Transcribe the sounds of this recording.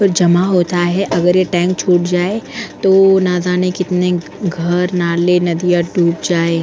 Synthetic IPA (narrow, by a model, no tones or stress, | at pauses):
ɔːɾd͡ʒɐmaɦoːt̪aɦɛʔɐɡəɾjeʈɛ̃ːŋk̚t͡ʃʰoːʈd͡ʒaːet̪oːnazaːnẽkɪt̪ne | ɡʱɐɾnalenɐd̪ijaɖʱuːpd͡ʒaːe